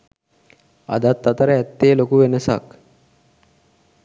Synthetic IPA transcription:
a̰d̪at̪ːat̪əɾəæt̪ːeːlokuʋenəsa̰k

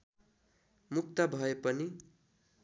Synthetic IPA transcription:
mukt̪ʌbʱʌepʌni

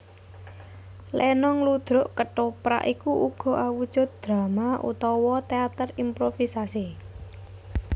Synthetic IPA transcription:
lʔɛnɔŋlud̪̥ɾʊʔkəʈopɾa̰ʔikuʔuɡ̥ɔ̤awud̥ʒ̥ʊt̪̚d̪̥ɾa̤maʔṵt̪ɔwɔt̪eat̪ərimpɾofisasi

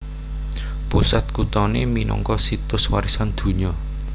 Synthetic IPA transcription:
pusat̪̚kut̪ɔneminɔ̰ŋkɔsit̪ʊswaɾisand̪̥ṳɲɔ

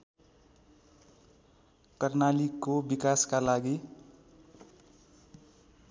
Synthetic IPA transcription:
kəɾnalikobikaskalaɡi

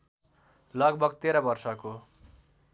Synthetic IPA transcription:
lʌɡbʌɡt̪eɾʌbʌrsʌko

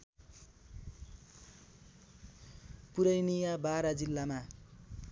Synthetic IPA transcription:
puɾʌjnijabaɾad͡zilːama

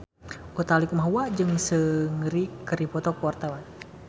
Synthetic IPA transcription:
ʔut̪alikumaɦuad͡ʒɨŋsəŋəɾikəɾipɔt̪ɔkəwart̪awan

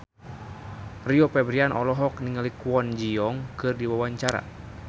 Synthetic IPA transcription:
riɔpɛbɾianʔɔ̰lɔɦɔkniŋalikwɔnd͡ʒiɔŋkɨrdiwawaɲt͡ʃaɾa̰

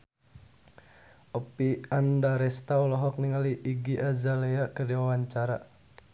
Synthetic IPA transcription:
ʔɔpiandaɾɛst̪aɔlɔɦɔk̚niŋaliʔːɡiʔazaleakərdiwawaɲt͡ʃaɾa

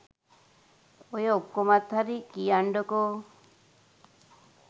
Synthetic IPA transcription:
ojaukːomat̪ʰːaɾikiaɳɖɔko

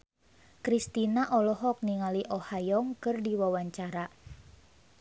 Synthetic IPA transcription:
kɾist̪inaʔɔlɔɦɔk̚niŋaliʔɔhajɔŋkɨrdiwawaɲt͡ʃaɾa

